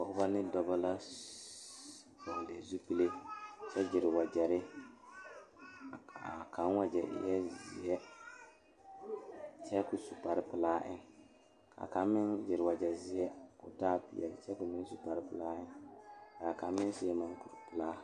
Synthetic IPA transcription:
bɔ˨ʔʊ˦ba˦nɪ˦dɔ˨˦ba˦la˦˨ | bɔ˨le˨zu˦pi˦le˦t͡ʃɛ˦d͡ʒɪ˨ɾɪ˨wa˨d͡ʒɛ˨ɾɪ˦˨ | a̰˨kʰa˨˦n˦wa˦d͡ʒɛ˨ʔjɛ˦zzɪ̰˨˦jɛ˦ | t͡ʃɛ˦kʊ˨su˨pa˨ɾɪ˦pɪ˨laː˦ʔɪ˦n | kʰa̰˨ka˨˦mɪ˦nd͡ʒɪ˨ɾɪ˨wa˨d͡ʒɛ˨zɪ˦jɛ˦kʊ̰˨taː˦pi˦ɛ̰˨lɪ˨t͡ʃɛ˦kʊ˨mɪ˦n˦su˨pa˨ɾɪ˦pɪ˦laː˦ʔɪ˦nka˨ka˨˦mɪ˦n˦sɪ˨˦ɛ˦ma˦ŋku˨ɾpɪ˦laː˦

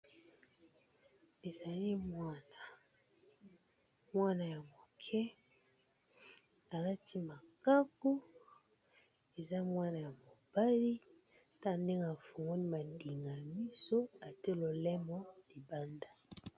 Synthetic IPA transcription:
e˨za˨li˦mwa˦na˨ | mwa˦na˨ja˨mo˨kʰɛ˦ | a˨la˦tʰi˦ma˨ka˦ko˦ | e˨za˦mwa˦na˨ja˨mo˨b̥a˦li˦ | ta˦˨nde˦ŋɡa˨fu˨ŋɡo˦ni˦ma˨ndi˨ŋɡa˨mi˦so˦a˨te˦lo˨lɛ˦mɔ˦li˨ba˦nda˨

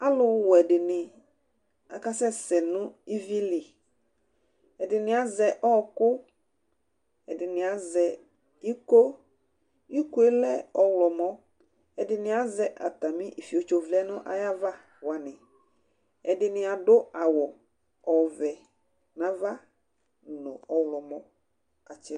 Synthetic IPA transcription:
a˦lʊ˦wɔ˨ɛ˨dɪ˨nɪ̃˨ | a̰˨ka˦sɛ˦sɛ˨nʊ̃˦i˦vi˦lɪ˨ | ɛ˨dɪ˨nɪ̃˨a˨zɛ˨ʔɔː˦kʊ˦ | ɛ˨dɪ˨nɪ̃˨a˨zɛ˨ | i˦ko˦ | i˦ku˦e˦lɛ˦ɔ˨wlɔ˨mɔ̃˦ | ɛ˨dɪ˨nɪ̃˨˦a˨zɛ˨ʔa̰˨t̪a˨mĩ˦i˨fi˨o˨t͡ʃo˨vlɛ˦nʊ̃˦ʔa̰˨ja˦va˦ | wa˨nɪ̃˨ | ɛ˨dɪ˨nɪ̃˨a˨dʊ˦a˨wɔ˨ | ɔ˨vɛ˨ | nã˨va˦ | nʊ̃˨ɔ˨wlɔ˨mɔ̃˦ | ka˨t͡ʃɪ˦

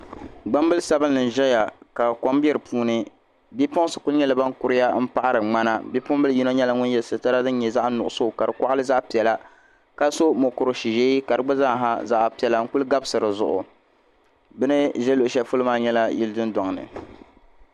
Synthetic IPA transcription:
ɡ͡ba˦mbɨ˦lsa˦bɨ˦n˦nɨ˨n˨ʒɛ˦ja˨ka˨ko˦mbɛ˦ɾɨ˨pʰuː˦nɨ˦ | bi˦pɔ˦ŋ˦sɨ˨ku˦ɲɛ˦la˨ba˦ŋkʊ˦ɾɪ˦ja˦m̩˦pa˦ʔa˦ɾɨ˨ŋ͡ma˦na˦bi˦pʊ˦mbɨ˦lji˦no˦ɲɛ˦la˨ŋʊ˦n˦jɛ˨lsɨ˨ta˦ɾa˦dɨ˦n˦ɲɛ˨za˦ʔnʊ˨ʔʊ˨so˦˨ka˨ɾɨ˨kʷa˦ʔa˦lɨ˦za˦ʔpi˨ɛ˨la˦ | ka˦so˦mo˨kʊ˨ɾo˨ʃi˨ʒe˦i˦ka˨ɾɨ˨˦ɡ͡bɨ˦za˦˨ɦa̰˦za˦ʔpi˨ɛ˨la˨ŋ̩˦ku˦lɡa˦bɨ˦sɨ˨ɾɨ˨zʊ̰˨ʔʊ̰˨ | bɨ˦nɨ˦ʒɛ˦lo˨ʔʃɛ˨fu˦lɨ˦maː˦ɲɛ˦la˦ji˦ldɨ˦ndɔ˨ŋ˨nɨ̰˨

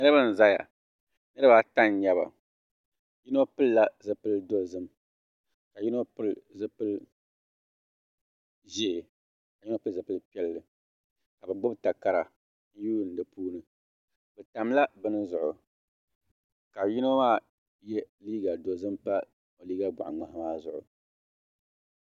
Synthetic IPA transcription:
nɨ˦ɾɨ˦bɨ˦n̩˨za˦ja̰˨ | nɨ˦ɾɨ˦ba˦ta˦n˦ɲa˦βa̰˨ | ji˦no˦pɨ˦lla˦zɨ˨pɨ˦ldo˨zɨ˦m | ka˨ji˦no˦pɨ˦lzɨ˦pɨ˦l | ʒe˦˨ | ka˨ji˦no˦pɨ˦˨zɨ˨pɨ˦lpi˦ɛ˦lːɨ˨ | ka˨bɨ˨ɡ͡bʊ˦bta˨ka˨ɾa˨ | n̩˦juː˦˨n̩˨dɨ˨puː˦nɨ˨ | bɨ˨ta˨m˦la˦bɨ˦nɨ˦zʊ˨ʔʊ˨ | ka˨ji˦no˦maː˦ | jɛ˦liː˦ɡa˨do˨zɨ˦mpa˦ | o˨liː˦ɡa˦ɡ͡bʊ̰˨ʔŋ͡ma˨ɦa˦maː˦zʊ˨ʔʊ̰˨

